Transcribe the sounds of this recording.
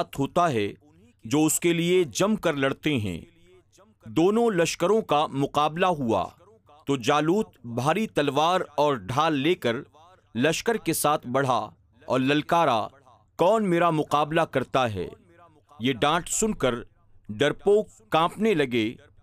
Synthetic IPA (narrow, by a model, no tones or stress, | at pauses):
t̪ɦoːt̪aɦɛ | d͡ʒoːʊskelied͡ʒɐmkɐɾlɐɽt̪eɦɛ̰̃ː | d̪oːnõlɐʃkəɾõkamʊqaːblaɦua̰ | t̪oːd͡ʒaːluːt̪bʱaːɾit̪ɐlʋaːɾɔːɾɖʱaːlːeːkɐɾ | lɐʃkəɾkesaːt̪ʰbɐɽ̤a | ɔ̰ːɾlɐlkaːɾa̰ | kɔːnmeːɾamʊqaːblakɐɾt̪aɦɛ̰ː | jeɖãːʈsʊnkəɾ | ɖɐɾpo | kãːpnelɐɡe